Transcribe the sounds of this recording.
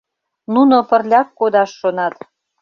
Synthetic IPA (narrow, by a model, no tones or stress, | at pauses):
nunopə̆rlʲɑkːod̪ɑʃːonɑt̪